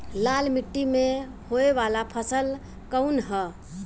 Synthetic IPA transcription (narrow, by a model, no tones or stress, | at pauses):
lalmiʈːime | hoeʋalapʰəsəl | kəunɦɛ